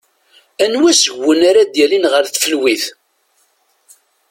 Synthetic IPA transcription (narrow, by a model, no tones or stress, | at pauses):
ænwæsəʝːənaɾad̪jælinʁəɾθfəlwiθ